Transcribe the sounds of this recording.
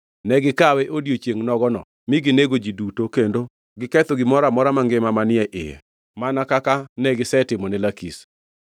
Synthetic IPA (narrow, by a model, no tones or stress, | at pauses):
nɛɡɪkawɛʔodjot͡ʃjeŋnɔɡɔnɔ̰ | mɪɡɪneɡod͡ʒidutokendo | ɡɪkɛt̪oɡɪmɔɾamɔɾamaŋɡɪmamanɪɛʔɪ̰jɛ̰ | manakakanɛɡɪsɛtɪmɔnɛlakis